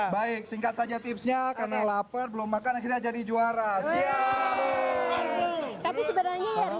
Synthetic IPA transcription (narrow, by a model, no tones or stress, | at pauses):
baɪk̚siŋkat̪̚sad͡ʒat̪ɪpsɲakarnalapərbəlʊmːakanakiɲad͡ʒadid͡ʒuaɾasia | t̪apisəbəɾarɲajar